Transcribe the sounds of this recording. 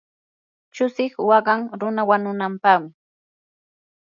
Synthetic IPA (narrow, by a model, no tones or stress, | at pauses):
t͡ʃʊsɪχwɑɢɑŋɾʊnawanʊnampaχmɪ